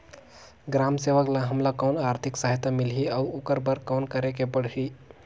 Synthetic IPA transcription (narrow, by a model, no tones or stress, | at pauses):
ɡɾamseʋəklaɦəmlakawnaɾt̪ʰiksaɦit̪amilɦiawokəɾbəɾkawnkəɾekepəɽɦi